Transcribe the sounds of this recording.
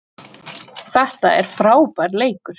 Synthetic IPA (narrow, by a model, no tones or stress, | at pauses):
θɛht̪aɛɾ̥fɾaːwpajɾleːjkʏɾ̥